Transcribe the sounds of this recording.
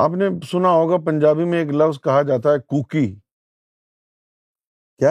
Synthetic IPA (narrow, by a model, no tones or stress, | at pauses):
a̰ːpnesʊnaɦoːɡapɐ̃ɲd͡ʒaːbimẽeːklɐʋzkɐɦad͡ʒaːt̪̬aɦɛkuːki | kjaː